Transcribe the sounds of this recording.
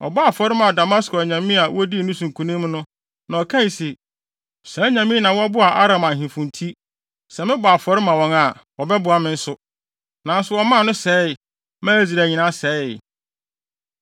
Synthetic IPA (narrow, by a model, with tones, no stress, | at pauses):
ɔ̰˨ba˦a˨fɔ˨ɾɪ˦mã˨da˨ma˦skɔ˨ɲã˨mĩ˦a˨wɔ˦di˦˨nʊ̃˦sũ˨ŋkʰũ˨nĩ˦m˦nʊ̃˦ | nã˨ɔ˨kʰã˦n˨sɪ˨ | sɛ˨˦ɲã˨mĩ˦nã˨wɔ˦a˦bʊ˦a˨ʔa˦ɾã˨mã˨ɦĩ˨fũ˨ntʰi˦ | sɛ˨mɪ̃˦bʊ˨a˨fɔ˨ɾɪ˦mã˨wɔ̃˨ŋa˨wɔ˨bɛ˦bʊ˨a˨mɪ̃˨n̩˦sʊ˦ | nã˨n̩˦sʊ˨wɔ˦mã˦˨nʊ̃˦sɛ˨˦˨ | mãː˦e˦zi˨ɾæ˨ɲĩ˨nã˦sɛ˨˦˨